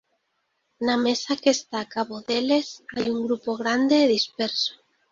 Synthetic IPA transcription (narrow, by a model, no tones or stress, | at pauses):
namesakest̪akaβoðelesajuŋɡɾupoɣɾand̪eːðispeɾso̥